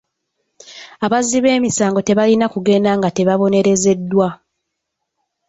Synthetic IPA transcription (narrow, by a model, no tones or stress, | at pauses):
aβaziβe̞ːmisaːŋɡo̞te̞βalinakuɡe̞ːndaŋɡate̞βaβo̞ne̞ɾe̞ze̞dːwa